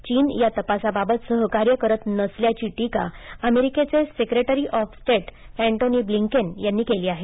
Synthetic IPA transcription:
t͡ɕiːnjat̪əpasababət̪səɦkaɾjəkəɾət̪nəsljat͡ɕiːʈika̰əmeɾiket͡sesekɾeʈəɾiʔɔfsʈeʈ | æɳʈoniːbliŋkənjanːiːkeliːaɦe

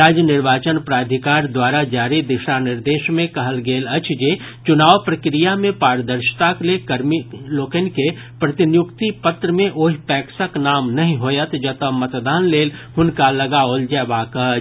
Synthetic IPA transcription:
ɾaːd͡ʒjənɪɾʋaːt͡ʃənpɾaːd̪ʱikaːɾd̪waːɾad͡ʒaːɾid̪ɪʃanɪɾd̪eːʃmẽkɐɦəlɡeːlɐt͡ʃʰd͡ʒeː | t͡ʃʊnaːʋpɾɐkɾijamẽpaːɾd̪əɾʃt̪aklekɐɾmiloːkənke | pɾɐt̪ɪnjʊkt̪ipət̪ɾəmẽʔoːɦipɛːksəknaːmnɐɦĩɦoːjət̪d͡ʒɐt̪əmɐt̪d̪aːnleːlhʊnkalɐɡaold͡ʒɛːʋaːkəɦ

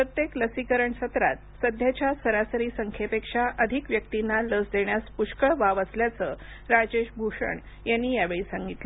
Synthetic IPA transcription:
pɾət̪jekləsikəɾəɳsət̪ɾa̰t̪̚səd̪ʱjat͡ɕjasəɾasəɾiːsəŋkʰjepekʂaʔəd̪ʱikʋjək̚t̪inːaləsd̪eɳjaspuʂkəɭʋaʋəsljat͡səː | ɾad͡ʑeʂbʱuʂə̰ɳ | janːiːjaʋeɭiːsãŋɡit̪la

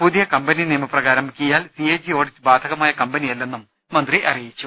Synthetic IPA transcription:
puðijɐkɐmbɐniniːmɐprɐɣaːɾɐmʱkʲːijaːlsied͡ʑijo̞ːɽibaːd̪ʱɐɣɐmaːjɐkɐmbɐnijɐlːe̞nːumː | ɐnd̪riʔɐrijit͡ɕːu

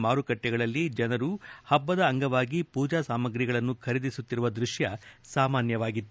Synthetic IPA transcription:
maːɾukɐʈːɛɡɐɭɐlːid͡ʒɐnɐɾuhɐbːɐd̪ɐːŋɡɐʋaːɡipuːd͡ʒaːsaːmɐɡɾiɡɐɭɐnːukʰɐɾid̪isut̪ːiɾuʋɐd̪ɾuʂjɐsaːmaːnjɐʋaːɡit̪ːu

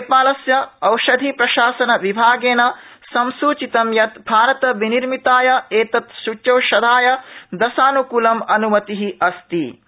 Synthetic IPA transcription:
epaːlɐsjɐɐwʃɐd̪ʱipɾɐʃaːsɐnɐʋibʱaːɡeːnɐsɐmsuːt͡ʃit̪ɐmjɐt̪bʱaːɾɐt̪ɐʋiniɾmit̪aːjɐeːt̪ɐt̪ʃut͡ʃɐwʃɐd̪ʱaːjɐd̪ɐsaːnukuːlɐmɐnumɐt̪iɦiʔɐst̪i

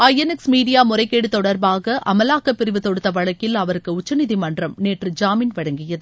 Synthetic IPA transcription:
ɐjɛnɛksmiːɽɪjaːmʊrɐɪkːeːɽɯt̪ːɔɽɐɾbaːɣɐʔɐmɐlaːkɐpːɪɾɪʋɯt̪ːɔɽɯt̪ːɐʋɐɭɐkːɪlɐʋɐɾɯkːɯʊt͡ʃːɐnɪðimɐndrɐmneːʈrɯd͡ʒaːmiːnʋɐɽɐŋɡɪjɐðɯ

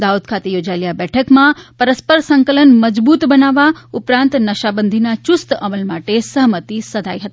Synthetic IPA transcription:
d̪aːud̪̚kʰat̪ejoːd͡ʒajlijabɛʈʰəkmãpəɾəspəɾsəŋkələnməd͡ʒbuːt̪bənaːʋaʊpɾãːnt̪nəʃabənd̪ʱinat͡ʃʊst̪ɐməlmaʈesəɦmət̪isəd̪ʱaːjɦɐt̪i

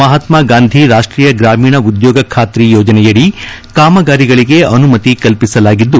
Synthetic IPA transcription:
mɐɦɐt̪maːɡaːnd̪ʱiɾaːʂʈɾiːjɐɡɾaːmiːɳɐud̪jɔːɡɐkʰaːt̪ɾijɔːd͡ʒɐnɛjɐɽi | kaːmɐɡaːɾiɡɐɭiɡe̞ɐnumɐt̪ikɐlpisɐlaːɡid̪ːu

